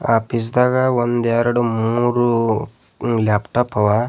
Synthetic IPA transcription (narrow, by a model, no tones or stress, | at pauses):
aːpis̬d̪aːɡawond̪eɾɐɽumuːɾu | laːpʈaːpɐʋa